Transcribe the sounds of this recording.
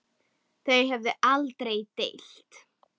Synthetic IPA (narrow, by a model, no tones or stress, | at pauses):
θeɥjɦɛvðɪʔalt̪ɾejt̪ḛjl̥t̪